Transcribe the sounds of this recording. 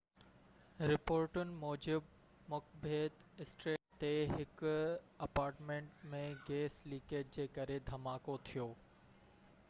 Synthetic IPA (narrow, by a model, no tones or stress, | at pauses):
ɾɪpoːɾʈʊnɪ̆mɔːd͡ʑɪb | mʊkbeːd̪ɪsʈɾeːk̚t̪eɦɪkʊ | ɐpaːɾʈmẽːɳʈmẽɡeːsliːkeːʈ̚d͡ʑeːkɐɾed̪ʱɐmaːkot̪ʰijoː